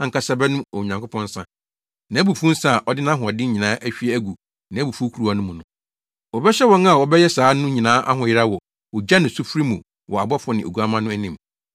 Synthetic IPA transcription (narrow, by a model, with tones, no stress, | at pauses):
ã˦ŋ̩˦kʰa˦sa˦bɛ˦nʊ̃˦ɔ˨ɲã˨ŋkʰʊ˦pʰɔ̃˦n̩˦sã̰˦ | nã˨˦bu˨fũ˦n̩˦sa˦˨ʔɔ˨dɪ˦nã˦ɦʊ̃˨ɔ˨dɪ˦ɲĩ˨nãː˨˦ʔæ˦ɕᶣi˦ɛ˦æ˦ɡu˨ | nã˨˦bu˨fu˦kʰu˨ɾu˨a˨nʊ̃˦mũ˨nʊ̃˦ | wɔ˨bɛ˦ɕɛ˦wɔ̃˦na˨wɔ˨bɛ˦jɛ˦saː˨˦nʊ̃˦ɲĩ˨nãː˦ʔa˦ɦʊ̃˨jɪ˦ɾa˦wɔ˨ | wɔ˨d͡ʑa˦nʊ̃˨su˦fɾi˦mũ˨ | wʔɔ˨a˨bɔ˦fɔ˨nɪ̃˨o̰˨ɡu˨a˦mã˦nʊ̃˦æ˦nĩ˨m